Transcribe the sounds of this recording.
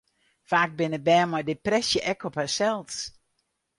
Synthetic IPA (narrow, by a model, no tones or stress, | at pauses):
faːk̚bɪnəbɛːmɔjdɪprɛsjəʔɛkʰɔphasɛlˠs